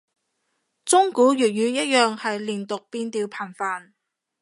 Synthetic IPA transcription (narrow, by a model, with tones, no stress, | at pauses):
t͡sʊ˥ŋkuː˨˥ɥyː˨˩t̚jyː˨˧jɐ˥t̚jœː˨ŋhɐ˨jliː˨˩nt̪ʊ˨k̚piː˧nt̪iː˨˧wpʰɐː˨˩nfaː˨˧n